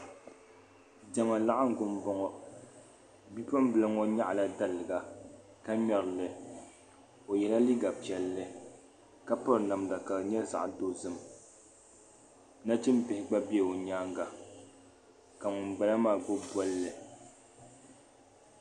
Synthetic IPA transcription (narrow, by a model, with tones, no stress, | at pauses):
d͡ʒɛ˨ŋa˨la˦ʔa˦ŋ̩˦ɡʊ˨m˦bɔ˦ŋɔ˦ | bi˦pa˦m˦bɨ˨lɨ˦ŋɔ˦ɲa˦ʔla˦da˦lɨ˨ɡa˨ | ka˦ɲɔ˨ɾlɨ˨ | o˨jɛ˨la˦li˦ɡa˨pi˨ɛ˨lːɨ˦ | ka˦pɔ˦ɾna˨mda˨ka˨lɲɛ˦za̰˨ʔdo˦zɨ˦m | na˦t͡ʃɪ˦m˦pɪ˨hɪ˦ɡ͡ba˦bi˦ɛ˨o˨ɲaː˦ŋɡa˨ | ka˨ŋʊ˨m˨ba˨la˦maː˦˨ɡo˦bɔ˦lːɨ˨